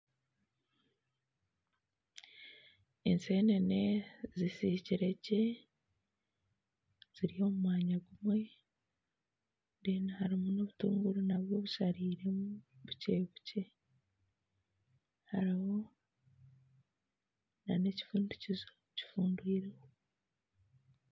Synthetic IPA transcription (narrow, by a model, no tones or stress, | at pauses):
enseːnenezisiciɾe̞ɟe | z̥iɾiho̞ːmumaːɲaɡumwe̞ | ndiːnahaɾimunoβutuːŋɡuɾunaβjo̞βuʃaɾiːɾe̞muβuce̞βuce̞ | haɾiho̞ | na̰ne̞ci̥fuːnducizo | ci̥fuːndwiːɾeho